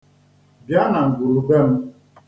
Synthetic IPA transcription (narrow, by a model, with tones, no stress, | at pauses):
bja˦na˨ŋ̩˨ɡu˨ɾu˨be˦˨m̩˦